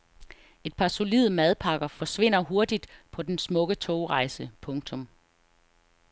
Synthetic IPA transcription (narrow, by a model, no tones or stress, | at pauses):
e̝d̥̚pʰɑ̈so̝lið̩ˠmæðˠpʰɑ̈ɡ̥ɐfɒ̽sʋe̝n̰ɐɦo̝ɐd̥id̥pʰɒ̽d̥ensmɔ̽ɡ̥ət͡sʰoʊʁɑ̈ɪsəpʰɔ̽ŋt͡sʰɔ̽m